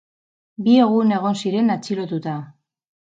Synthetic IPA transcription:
bie̞ɣ̞une̞ɣ̞o̞nsiɾe̞nat͡siɾo̞t̪ut̪a

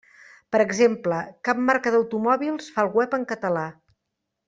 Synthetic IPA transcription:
pəɾəɡzempləkap̚maɾkəðəwt̪umɔβilˠsfalˠɣwɛpəŋkət̪əla

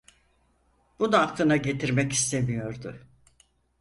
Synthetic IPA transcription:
b̥ud̪aːkkt̪ˠɯnaɟe̞t̪ʰiɾmɛci̥st̪ʰe̞mijo̞ɾd̪ʊ

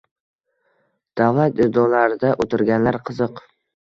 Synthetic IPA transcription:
d̪̥avlat̪ɪd̪ɒlaɾɪd̪aʔot̪ʰɪɾɡʲanlaɾqʰɨzɨq

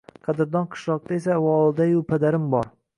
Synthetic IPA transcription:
qʰɑd̪ɪɾd̪ɒnqʰɨ̥ʃlˠɒq̚t̪aes̬aːwɒlˠɪd̪ajʊpʰad̪aɾɪmbɒɾ

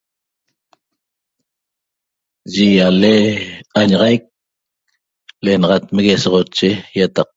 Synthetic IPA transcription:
ʒijaleaɲɑʁɑjk̚ | lenɑʁɑt̪meɣesoʁot͡ʃːejat̪ɑq̚

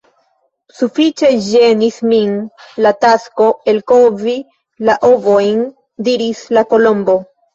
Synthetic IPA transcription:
sufit͡ʃe̞ʒe̞nisminlatasko̞e̞lko̞vi | laʔovo̞jn | diɾislako̞lo̞mbo̞

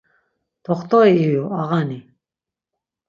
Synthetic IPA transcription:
t̪ʰɔχt̪ʰʼɔiːjuaɣani

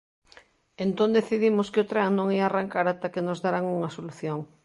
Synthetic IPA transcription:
ent̪õnd̪eθiðimoskɪot̪ɾaŋnõŋiaːraŋkaɾat̪akenozðaɾaŋuŋasoluθjoŋ

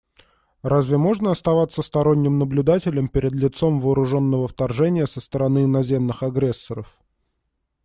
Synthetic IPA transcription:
razʲvʲɪmo̞ʐnəɐst̪ɐvat̪sːəst̪ɐɾo̞nʲːɪmnəblʲʊd̪atʲɪlʲəmpʲɪɾʲɪd̪lʲɪt̪so̞mvəːɾʊʐo̞nːəvəft̪ɐrʐɛnʲɪjəsəst̪əɾɐnɨnɐzʲe̞mnɨxɐɡɾʲe̞sːəɾəf

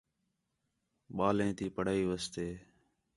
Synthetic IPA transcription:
ɓaːlẽːt̪iːpəɽ̤aːiːʋəst̪eː

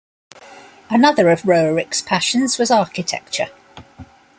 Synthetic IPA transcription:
ənʌðəɹəvɹəʊɹɪkspʰaʃə̃nz̥wɒzɑˑkɪtʰɛ̰k̚t͡ʃə̰

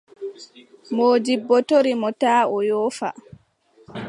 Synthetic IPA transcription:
moːd͡ʒibːɔtoɾimɔtaːɔjɔːfa̰

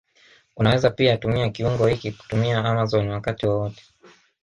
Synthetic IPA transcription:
unawɛzapiatumiakiuŋɡɔhikiku̥tumiaamazɔniwakatiwɔwɔtɛ̥

